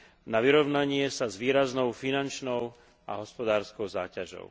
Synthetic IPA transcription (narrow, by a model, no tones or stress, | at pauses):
naʋiɾɔʊnaɲɪɛsazʋiːɾaznɔʊfinant͡ʃnɔʊ | ʔa̰ɦɔspɔd̪aːɾskɔʊzaːcaʒɔ̰ʊ